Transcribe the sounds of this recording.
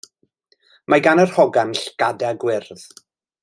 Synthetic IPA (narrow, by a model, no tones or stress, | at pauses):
maɡanərhɔɡamɬɡ̥adɛɡwɪrð